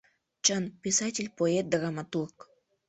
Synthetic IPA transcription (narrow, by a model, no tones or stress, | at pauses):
t͡ɕənpʲisɑtʲɪlʲpoet̪̚d̪rɑmat̪urk